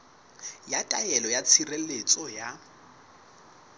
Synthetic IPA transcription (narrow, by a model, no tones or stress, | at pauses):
jakʼajɛlɔjat͡sʰirelet͡sʼɔja